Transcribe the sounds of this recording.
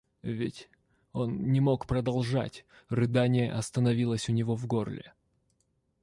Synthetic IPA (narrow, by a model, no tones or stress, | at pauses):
vʲɪtʲ | o̞nːʲɪmo̞kpɾəd̪ɐlˠʐa̰tʲ | rɨd̪anʲɪjə̰ʔɐst̪ənɐvʲilˠəsʲʊnʲɪvo̞vɡo̞rlʲɪ̰